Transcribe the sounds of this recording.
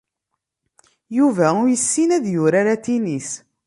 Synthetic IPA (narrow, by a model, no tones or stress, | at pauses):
juvæʊjəsːinæðjʊɾaɾat̪inis